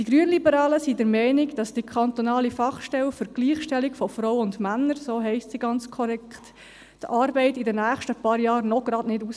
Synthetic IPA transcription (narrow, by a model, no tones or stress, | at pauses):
d̥iɡ̥ɾyənlibəɾɑːləsidəɾmɛɪniɡd̥ɑsd̥ikʰɑnt̪onɑːlifɑχʃtɛlfəɾɡ̥liːχʃtɛlikfɔfrɔwʊndmænːəɾsoːɦɛɪstsiɡɑnt͡skʰɔɾɛkχt | tʔɑːɾbɛɪtɪdənːæːχʃtəpɑːɾjɑːɾnɔɡ̥ɾɑdnɪdus